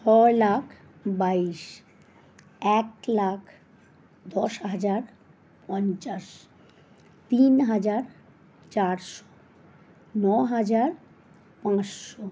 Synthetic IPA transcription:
t͡ɕʰɔlakʰ | baiʃ | ɛk̚lakʰ | d̪ɔʃɦad͡ʑaɾ | pɔnt͡ɕaʃ | t̪inɦad͡ʑaɾ | t͡ɕaɾʃo̥ | nɔɦad͡ʑaɾ | pãsʃo

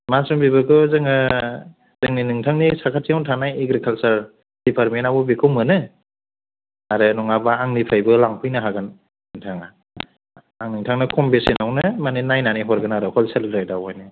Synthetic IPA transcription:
masɾɔmbibɯkʰɯzɯŋɯ | z̥ɯŋninɯŋtʰaŋnisakʰatʰiawtʰanajeɡɾikʰalsaɾ | d̥ipʰaɾmenawɔbekʰɯwmɯnɯ | aɾɯnɔŋabaaŋnipʰajbɯlaŋpʰɯjnɯɦaɡɯn | ɯŋtʰaŋa | aŋnɯŋtʰaŋnɯkʰɔmbesenawnɯmaninajnaniɦɔɾɡɯnaɾɯkʰɔlselɾajdawajnɯ

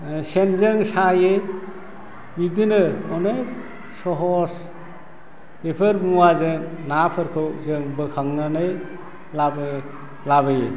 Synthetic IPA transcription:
senzɯŋsaje | bid̪inɯɔnek̚ | sɔɦɔs | epʰɯɾmuwazɯŋnapʰɯɾkʰɯwzɯŋbɯkʰaŋnanɯj | lab | labɯje

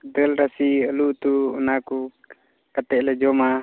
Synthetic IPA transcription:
d̪əlɾasiəluʔt̪uːnaku | kat̪ɛʔlɛd͡ʒɔma

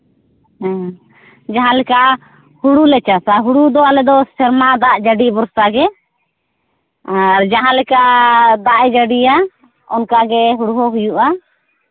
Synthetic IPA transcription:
d͡ʒaɦãlɛka | huɽulɛt͡ʃasaɦuɽud̪ɔalɛd̪ɔsɛɾmad̪aʔd͡ʒaɖibɔɾsaɡɛ | aɾd͡ʒaɦãlɛkad̪aʔɛd͡ʒaɖija | ɔnkaɡɛɦuɽuɦɔɦujuʔa

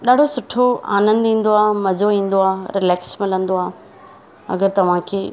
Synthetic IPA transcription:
ɗaːɖ̤ʱosʊʈʰoa̰ːnə̃nd̪ĩːn̆d̪oaːmɐd͡ʑoĩːn̆d̪oaːɾɪlɛːksmɪlə̃nd̪oaː | ɐ̰ɡəɾt̪ɐʋ̤ãkʰeː

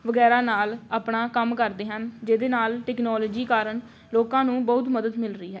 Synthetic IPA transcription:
ʋəɡɛːɾaːnaːlaːpɳaːkəmkəɾd̪eːɦənd͡ʒeːd̪eːnaːlʈɛːknɔːloːd͡ʒiːkaːɾəɳ | loːkãːnũːbəʊt̪məd̪əd̪mɪlɾəiːɦɛː

